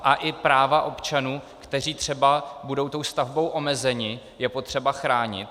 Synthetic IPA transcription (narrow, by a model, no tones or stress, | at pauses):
ʔaʔɪpɾaːvaʔo̞pt͡ʃanuː | kt̪ɛr̝iːt̪r̝̥ɛbabudo̞wt̪o̞wst̪avbo̞wʔo̞mɛzɛɲɪ | jɛpo̞t̪r̝̥ɛbaxɾaːɲɪ̰t̪